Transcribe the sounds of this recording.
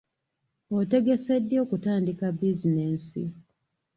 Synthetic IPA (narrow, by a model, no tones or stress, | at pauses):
ote̞ɡe̞se̞dːjo̞ːkutaːndikabizine̞ːnsḭ